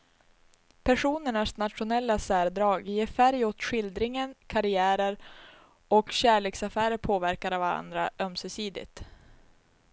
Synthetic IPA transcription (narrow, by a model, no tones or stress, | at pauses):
pʰæʂuːnəɳasnat̪ɧʊnɛlːasæːɾd̪ɾɑːɡjeːfæɾjot̪ɧɪld̪ɾɪŋənkʰaɾɪæːɾəɾ | ɔkɕæːɭeːksafæːɾəɾpʰoːvæɾkaɾavaɾa̰nd̪ɾaʔœmsœsiːd̪ɪ̰t̪